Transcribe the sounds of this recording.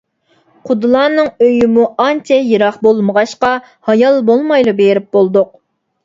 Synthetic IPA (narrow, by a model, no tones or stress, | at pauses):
qʰʊd̪ɨlˠɑːnɨŋøjymuɑnt͡ʃʰɛjeɾɑχbolˠməʁɑʃqɑ | hɑjɑlˠbolˠmɑjlˠubeɾɪp̚bolˠd̪ʊq̚